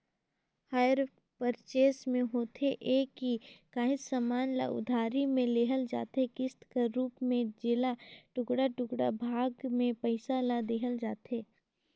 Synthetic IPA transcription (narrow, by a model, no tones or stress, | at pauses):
haːjəɾ | pəɾt͡ʃeːsmẽɦoːt̪ʰeʔeːkikaːɦɪsamaːnla̰ʔʊ̰d̪ʱaːɾimẽleːɦəld͡ʒa̰ːt̪ɦekɪst̪kaɾuːpmẽd͡ʒɪlaʈʊkɽaʈʊkɽa̰bʱaːɡmẽpəɪsalad̪eːɦəld͡ʒaːt̪eː